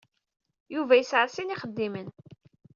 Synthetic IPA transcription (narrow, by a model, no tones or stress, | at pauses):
juvæjəsʕəɾsiniχəd̪ːimən